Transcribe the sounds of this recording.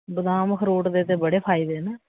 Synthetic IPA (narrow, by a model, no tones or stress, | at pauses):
bəd̪ãːməkʰəɾoːʈd̪eːt̪ebəɽeːpʰaːid̪eːnɛː